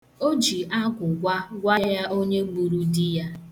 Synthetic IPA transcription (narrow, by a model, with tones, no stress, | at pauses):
o˦d͡ʒi˨ʔa˦ɡʷʊ˨ɡʷa˦ɡʷa˦ja˦ʔo˦ɲe˦ɡ͡bu˨ɾu˦dɪ˦ja˦